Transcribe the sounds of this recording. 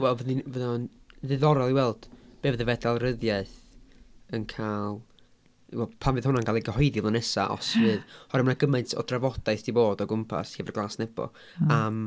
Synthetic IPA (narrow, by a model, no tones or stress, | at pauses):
wɛlˠvəðinvəðɔnðɨðɔɾɔlˠiwɛlˠd̥b̥eːvðəvɛdalˠrəðjaɨθ | ənkʰaːlˠ | wɛlˠpʰamvɨðhʊnankalˠiɡəɦɔɨðivlˠanɛsa̰ʔɔ̰svɨːðhɔɾɛmənaɡəmaɨntʰɔ̰dravɔd̥aɨθd̥iboːdɔɡʊmpʰa̰shevərɡlˠaːsnɛb̥ɔ̰ | am